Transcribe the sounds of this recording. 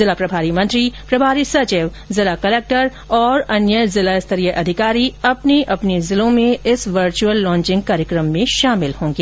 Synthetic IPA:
zɪlapɾɐbʱaːɾimɐ̃nt̪ɾipɾɐbʱaːɾisɐt͡ʃɪʋ | zɪlakɐleːk̚ʈəɾ | ɔːɾɐnjəzɪlaɪst̪ʰəɾijəʔɐd̪ʱɪkaːɾiɐpneʔɐpnezɪlõmẽɪsʋəɾt͡ʃuəlːɔ̃ːɲt͡ʃɪ̃ŋɡ̚kaːɾjəkɾəmːẽʃaːmɪlhõːŋɡeː

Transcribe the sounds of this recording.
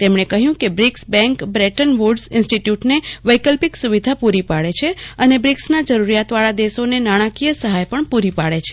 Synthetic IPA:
t̪emɳ̃ekəɦjũkebɾiksbɛ̃ŋkbɾɛʈənʋuɾɖsɪnsʈiʈjuʈneʋəjkəlpiksuʋid̪ʱapuɾipaɭet͡ʃʰeənebɾiksnad͡ʒəɾuɾijat̪ʋaɭad̪esonenaɽ̃akijəsəɦajpəɳpuɾipaɭet͡ʃʰe̥

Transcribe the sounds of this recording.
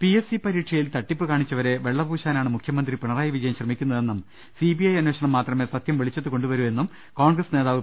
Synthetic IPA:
piesipɐɾiːʈʂɐjilt̪ɐʈːipːɨkaːɳit͡ɕːɐʋɐɾe̞ʋeɭːɐbʱuːɕaːnaːɳɨmukʰjɐmɐnd̪ripiɳɐraːjɐʋid͡ʑɐjɐmɕrɐmikʲːunːɐðe̞nːum | sibiɐjɐnweːɕɐɳɐmːaːt̪rɐmeːsɐt̪jɐmʋiɭit͡ɕːɐt̪ːɨko̞ɳɖuʋɐɾue̞nːum | ko̞ːɳɡrɐsne̞ːðaːʋɨ

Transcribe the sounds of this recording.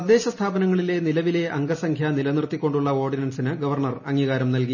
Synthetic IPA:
ɐd̪ːe̞ːɕɐst̪ʰaːbɐnɐŋːɐɭile̞nilɐʋile̞ʔɐŋɡɐsɐŋkʰjɐnilɐnrt̪ːikʲːo̞ɳɖuɭːɐo̞ːrɖinɐnsinɨɡɐʋɐrɳɐrɐŋːiːɣaːɾɐmnɐlki

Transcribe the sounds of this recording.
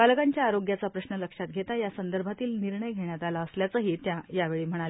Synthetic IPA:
kalkaɲt͡ɕjaːɾoɡjat͡sapɾəɕɳələkʂat̪̚ɡʱet̪ajasənd̪əɾbʱat̪iːlniɾɳəjɡʱeɳ̃jat̪alaəsljat͡səɦiːt̪jajaʋeɭiːm̤əɽ̃al

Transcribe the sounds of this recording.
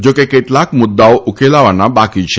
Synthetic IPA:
d͡ʒokeket̪lakmud̪ːawʔukelaʋanabakit͡ɕʰe

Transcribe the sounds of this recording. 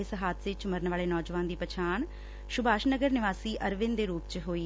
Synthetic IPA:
ɪsɦaːt̪ʰsɪt͡ʃməɾənʋaːleːnɔːd͡ʒʋaːnd̪iːpət͡ʃʰaːn | ʃʊbaːʃnəɡəɾnɪʋaːsiːʔəɾʋɪnd̪eːɾuːpt͡ʃɦoːiː

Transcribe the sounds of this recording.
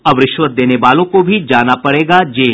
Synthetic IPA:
ɐʋɾɪʃwət̪̚d̪eːneʋaːlõkobʱid͡ʒaːnapɐɽeːɡad͡ʒeː

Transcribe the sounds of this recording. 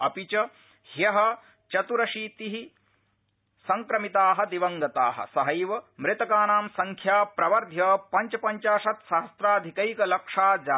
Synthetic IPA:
ɐpit͡ʃɐ | hjɐɦɐ̆ | t͡ʃɐt̪uɾɐʃiːt̪iɦi | sɐŋkɾɐmit̪aːɦɐ̆d̪iʋɐŋɡɐt̪aːɦɐ̰̆sɐɦɐjʋɐmɾɪt̪ɐkaːnaːmsɐŋkʰjaːpɾɐʋɐɾd̪ʱjɐpɐɲt͡ʃɐpɐɲt͡ʃaːʂɐt̪sɐɦɐst̪ɾaːd̪ʱikɐjkɐlɐkʂaːd͡ʒaː

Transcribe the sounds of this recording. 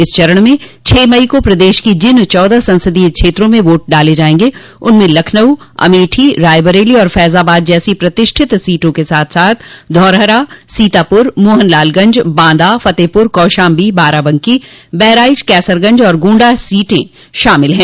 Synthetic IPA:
ɪst͡ʃɐɾəɽ̃mẽ | t͡ʃʰeːmɐikopɾɐd̪eːʃkid͡ʒɪnt͡ʃɔːd̪asɐ̃nsəd̪ikʃʰeːt̪ɾõmẽʋoːʈ̚ɖaːled͡ʒaːẽːŋɡe | ʊnmẽlɐkʰnəwɐ̰meːʈʰiɾaːɪbəɾeːliɔːɾfɛːzaːbaːd̪̚d͡ʒɛːsipɾɐt̪ɪʃʈʰɪt̪siːʈõkesaːt̪ʰsaːt̪ʰd̪ʱɔːɾɦəɾasiːt̪aːpʊɾmoːɦənlaːlɡɐ̃ɲd͡ʒbãːnd̪afɐt̪eːpʊɾkɔːʃaːmbiːbaːɾabɐ̃ŋkibɛɦɾaːɪd͡ʒkɛːsəɾɡɐ̃ɲd͡ʒɔːɾɡũːɳɖasiːʈẽ | ʃaːmɪlɦɛ̃ː

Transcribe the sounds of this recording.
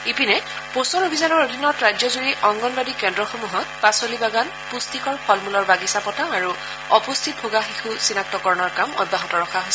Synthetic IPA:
ipinɛ | posɔlobʱizanɔɹodʱinɔtɹajd͡ʒɔzuɹiʔɔŋɡɔnbadikɛndɹɔxomuɦɔtpasolibaɡan | pustikɔɹpʰɔlmulɔɹbaɡisapɔtaaɹu | ɔpostʰit̚bʱoɡaxixusinak̚tɔkɔɹɔnɔɹkamɔ̰d̚bʱaɦɔtɔɹɔkʰaɦojsɛ

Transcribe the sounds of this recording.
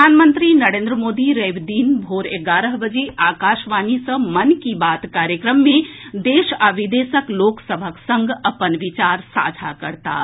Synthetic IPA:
aːnmə̃nt̪ɾinɐɾẽːnd̪ɾəmoːd̪iɾeːbd̪iːnbʱoːɾeɡaːɾəɦbəd͡ʒeʔaːkaːʃʋaːnisə̃mɐnkibaːt̪kaːɾjəkɾəmːẽd̪eːʃaʋɪd̪eːsəkloːksəbʱəksə̃ŋɡʱɐpənʋɪt͡ʃaːɾsa̰ːd͡ʒʱakɐɾt̪a̰

